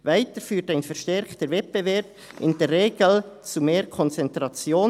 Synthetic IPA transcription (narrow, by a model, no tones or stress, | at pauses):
vaɪtəɾfyːtaɪnfɛɾʃtɛɾktəɾvɛt̚b̥evɛɾb | ʔɪndeːrːeːɡ̥l̩t͡sumeːɾkʰɔnt͡sɛntɾɑt͡sjoː